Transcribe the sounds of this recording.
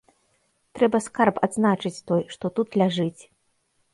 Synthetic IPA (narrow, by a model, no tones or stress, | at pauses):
t̪ɾɛbɐskarpad̪znat͡ʂɨt͡sʲt̪ɔjʂt̪ɔt̪ut̪lʲaʐɨt͡sʲ